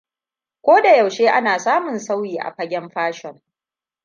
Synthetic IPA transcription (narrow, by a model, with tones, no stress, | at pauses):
kʷoː˦da˨ja˨wʃeː˦ʔa˦naː˨saː˦mʊ˨nsa˦wjiː˨ʔa̰˨ɸɐ˦ɡʲɛ˦mɸaː˦ʃɔ˨ŋ